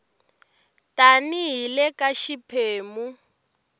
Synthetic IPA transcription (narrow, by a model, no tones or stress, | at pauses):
taniɦilɛkaʃipʰeːmu